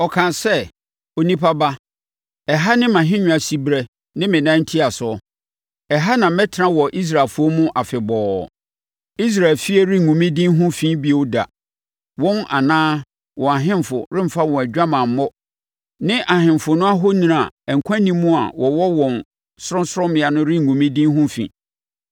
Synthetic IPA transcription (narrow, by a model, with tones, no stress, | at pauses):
ɔ˨kʰã˨nsɛ˦ | o˨nĩ˦pʰa˦ba˦ | ɛ˨ɦa˦nɪ̃˦mã˨ɦɪ̃˦ɲᶣʊ̃˨a˨si˦bɾɛ˦ | nɪ̃˦mɪ̃˨nã˦n̩˦tʰi˦a˨sʊ˨˦ɔ˨ | ɛ˨ɦa˦nã˨mɛ˦tʰnã˦wɔ˨ʔi˦s̬ɾaː˨fʊ˨˦o˦mʊ̃˦ʔa˨fɪ˨bɔː˨ | i˦s̬ɾa˨fi˦e˦ɾi˦˨ŋũ˨mɪ̃˦dɪ̃˦n˦ɦʊ̃˦fĩː˦bi˦e˨wo˦da̰˨ | wɔ̃˦na˨nãː˦ | wɔ̃˨a˨ɦɪ̃˦m˨fʊ˨ɾɪ̃˦m̩˨fa˦wɔ̃˨æ˨d͡ʑᶣa˦mã˨m̩˦mɔ˦ | nɪ̃˦ʔa˨ɦɪ̃˨mfʊ˨nʊ̃˦a˦ɦo˦nĩ˨nã˨ɛ˨ŋ̩˨kʰã˦nĩ˦mːũ˦a̰˨wʔɔ˨wɔ˦wɔ̃˨n | sʊ˦ɾʊ̃˦sʊ˦ɔ̃˦mɪ̃˨a˨nʊ̃˦ɾĩ˦˨ũ˨mĩ˦dĩ˦n˦ɦʊ̃˦fḭ̃˨